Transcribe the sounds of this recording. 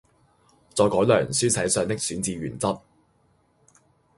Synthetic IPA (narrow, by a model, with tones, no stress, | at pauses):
t͡sɔː˧jkɔː˨˥jlœː˨˩ŋsyː˥sɐ˨˥jsœː˧ŋt̪ɪ˥k̚syː˨˥nt͡siː˧ɥyː˨˩nt͡sɐ˥t̚